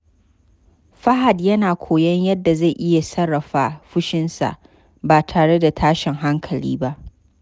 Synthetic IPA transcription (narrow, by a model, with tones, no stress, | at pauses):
ɸɐ˦ɦa˨djɐ˦naː˨kʷʰoː˨jɐ˦ɲjɐ˦dːa˨za˦˨jʔɪ˦ja˨sɐ˦ɽːɐ˨ɸaː˨˦ɸʊ˦ʃɪ˦nsa̰˨ʔ | baː˨tʰaː˨ɽe˦da˨tʰaː˦ʃɪ˨ŋɦa˦ŋkʰɐ˨lḭː˦ba˦ʔ